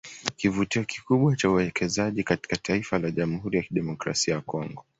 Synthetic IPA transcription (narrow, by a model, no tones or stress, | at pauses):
kivutiɔki̥kuɓwat͡ʃauwɛkʰɛzaʄikati̥kataifalaʄamuhuɾijakiɗɛmɔkɾa̰siajakɔŋɡɔ